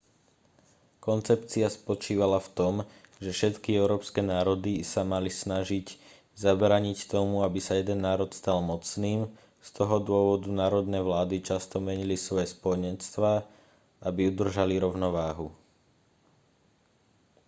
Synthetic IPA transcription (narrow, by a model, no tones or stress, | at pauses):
kɔnt͡sɛpt͡siaspɔt͡ʃiːʋalaft̪ɔmʒɛfʃɛt̪kiɛʊɾɔːpskɛnaːɾɔd̪isamalisnaʒic | zabɾaːɲict̪ɔmuabisajɛd̪ɛnːaːɾɔt̪st̪almɔt͡sniːm | st̪ʰɔɦɔd̪ʊɔʋɔd̪unaːɾɔd̪nɛʋlaːd̪it͡ʃast̪ɔmɛɲilisʋɔjɛspɔɔɲɛnst̪ʋaː | abiud̪r̩ʒaliɾɔʊnɔʋaːɦu